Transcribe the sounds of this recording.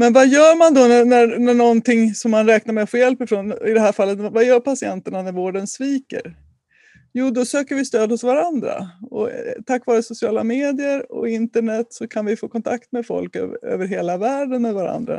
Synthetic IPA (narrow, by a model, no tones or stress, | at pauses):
mɛnvajœːɾmand̪ɔnænænæɳɔnt̪ɪŋsɔmːanɾɛːk̚naɾmɛɧjɛlpɪfɾoːnɪd̪ɛɦæːɾfalːət̪vajœːɾpasɪɛnt̪əɳanæɾvoːɖənsviːkə̰ɾ | juːd̪ɔsøːkəɾvɪst̪øːd̪hʊsvaɾand̪ɾa̰ɔ̰t̪ʰakːvɑːɾəsʊsɪɑːla̰meːd̪ɪəɾɔ̰ɪnt̪əɳɛt̪ːsɔkʰanvɪfoːkʰɔnt̪ʰakt̪mɛd̪fɔ̰lkøø̰ːvəɾɦeːlavæːɖənmɛd̪vaɾa̰nd̪ɾa̰